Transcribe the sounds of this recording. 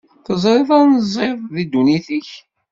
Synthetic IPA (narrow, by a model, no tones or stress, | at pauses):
θəzˤɾˤɪðanzˤɪððid̪uniθiç